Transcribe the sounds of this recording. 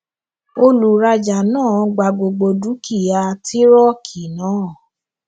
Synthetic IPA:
o˧lu˨ɾa˧d͡ʒa˨nãː˦˨˧ɡ͡ba˨ɡ͡bo˨ɡ͡bo˧du˨˦kʰi˦˨ja˧ti˦ɾɔ˦kʰi˨nãː˨˦˨

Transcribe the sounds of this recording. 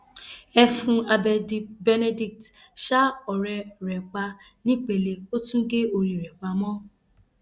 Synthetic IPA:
ɛ˧fũ˧a˧bɛ˧di˧bɛ˧ne˧di˧k̚t | ʃa˦ɔ˨ɾɛ˧ɾɛ˨ɡ͡ba˧ | nĩ˦k͡pe˨le˨˧o˦tũ˦ɡe˦o˧ɾi˨ɾɛ˨ɡ͡ba˧˦mɔ̃˦

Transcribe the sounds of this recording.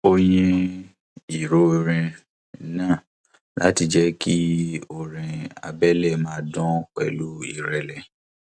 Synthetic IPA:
o˧jĩ˧ | i˨ɾo˨˦˧ɾĩ˧˦ | nãː˦˨ | la̰˦ti˧d͡ʒɛ˦ki˦o˨ɾĩ˨a̰˨bɛ˦lɛ˦˨mãː˦dɔ̃˦k͡pɛ̰˨lu˦i˦˨ɾɛ˨lɛ˨

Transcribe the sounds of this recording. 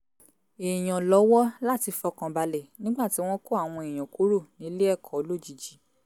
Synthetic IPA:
e˨j̃ɔ̃˨lɔ˨˦wɔ˦la˦˨ti˧fɔ˧kã˨ba˨lɛ˨nĩ˦ɡ͡ba˦˨ti˨˦w̃ɔ̃˦ko˦a˦˨w̃ɔ̃˧e˨j̃ɔ̃˨ku˨˦ɾo˦˨nĩ˨˦le˦ɛ˦˨kʰɔ˨˦lo˦˨d͡ʒi˨d͡ʒi˨˦

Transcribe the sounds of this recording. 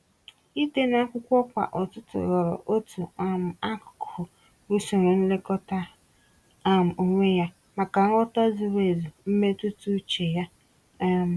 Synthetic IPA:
i˦te˦na˦kʷʊ˦kʷɔ˦kʷa̰˨ʔɔ˨tʊ˦tʊ̰˨ɣɔ˨ɾɔ̰˨ʔo˦tu˨a˨m̩˨a˦kʊ̥˨kʰʊ˨ | u˦su˨ɾu˨n̩˦le˦kɔ˦ta˦ | a˨m̩˨o˨ŋʷe˦ja˦ | ma˨ka˨ŋ̩˦ɔ˦ta˦zi˨ɾe˨zu˨m̩˦me˦tʊ˦tu˦t͡ʃe˨ja˦˨

